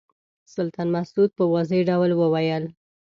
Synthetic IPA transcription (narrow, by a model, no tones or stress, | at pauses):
sʊlt̪ɑnmasud̪̚pəwazəjɖawlwəwajəl